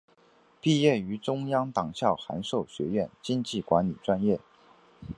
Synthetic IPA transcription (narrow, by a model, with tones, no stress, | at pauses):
pi˥˧jɛ˥˩y˧˥ʈ͡ʂʊ˥ŋjɑ˥ŋt̪ɑ˨˩ŋɕjɑ˥˩ʊxa̰˧˥nʂo˥˩ʊɕɥɛ̰˧˥ɥɛ˥˩nt͡ɕi˥ŋt͡ɕi˥˩kwa˧˥nlḭ˨˩ʈ͡ʂwa˥njɛ˥˩